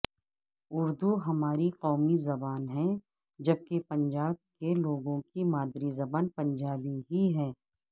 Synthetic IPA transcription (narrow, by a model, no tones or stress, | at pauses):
ʊɾd̪uɦɐmaːɾiqɔːmizɐbaːnɦɛ̃ | d͡ʒɐb̚kepɐ̃ɲd͡ʒaːb̚keloːɡõkimaːd̪ɾizɐbaːnpɐ̃ɲd͡ʒaːbiɦiɦɛ̃ː